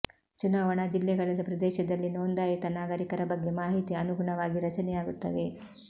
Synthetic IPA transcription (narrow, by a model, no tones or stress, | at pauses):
t͡ʃunaːʋɐɳad͡ʒilːɛɡɐɭɐlɐpɾɐd̪ɛːʃɐd̪ɐlːinoːnd̪aːjɐt̪ɐnaːɡɐɾikɐɾɐbɐɡːe̞maːɦit̪iɐnuɡuɳɐʋaːɡiɾɐt͡ʃɐnɛjaːɡut̪ːɐ̰ʋe̞